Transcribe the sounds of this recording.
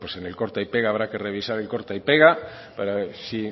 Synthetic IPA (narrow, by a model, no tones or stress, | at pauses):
pwesenelko̞ɾt̪aipeɣaːβɾake̞re̞β̞isaɾe̞lko̞ɾt̪aijpeɣ̞a | paɾasi